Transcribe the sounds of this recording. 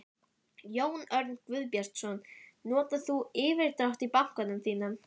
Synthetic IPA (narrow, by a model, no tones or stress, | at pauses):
joːwnœɾt̪nkvʏðpjar̥t̪sɔnnɔːt̪aθuɪːvɪɾ̥t̪ɾawht̪ipaŋ̥kanʏmθiːnan